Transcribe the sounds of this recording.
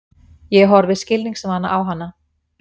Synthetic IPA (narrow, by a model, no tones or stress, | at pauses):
jɛɦɔɾvɪðscɪlniŋksmanːa̰ʔawɦanːa